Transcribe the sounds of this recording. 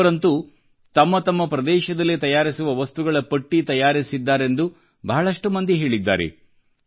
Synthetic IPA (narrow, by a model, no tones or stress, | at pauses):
ɾɐnt̪u | t̪ɐmːɐt̪ɐmːɐpɾɐd̪ɛːʃɐd̪ɐlːit̪ɐjaːɾisuʋɐʋɐst̪uɡɐɭɐpɐʈːit̪ɐjaːɾisid̪ːaːɾe̞nd̪u | bɐɦɐɭɐʂʈumɐnd̪iɦe̞ːɭid̪ːa̰ːɾḛ